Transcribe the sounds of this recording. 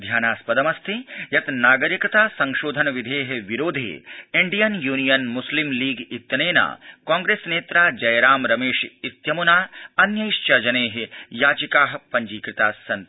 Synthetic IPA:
d̪ʱjaːnaːspɐd̪ɐmɐst̪ʰijɐt̪naːɡɐɾikɐt̪aːsɐ̃ŋʃoːd̪ʱɐnɐʋid̪ʱeːɦʋiɾoːd̪ʱḛːiɳɖijɐnjuːnijɐnmuslimliːɡit̪jɐneːna̰ːkãːŋɡɾeːsneːt̪ɾaːd͡ʒɐjɾaːmɾɐmeːʃit̪jɐmunaːɐnjɐjʃt͡ʃɐd͡ʒɐneːɦejaːt͡ʃikaːɦɐ̆pɐɲd͡ʒiːkɾɪt̪aːsːɐnt̪

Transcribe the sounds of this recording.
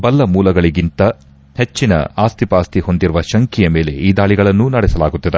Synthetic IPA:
bɐlːɐmuːlɐɡɐɭiɡint̪ɐ | he̞t͡ʃːinɐ̰aːst̪ipaːst̪iho̞nd̪iɾuʋɐʃɐŋkijɐme̞ːle̞̰ʔiːd̪aːɭiɡɐɭɐnːunɐɽɛsɐlaːɡut̪ːid̪e

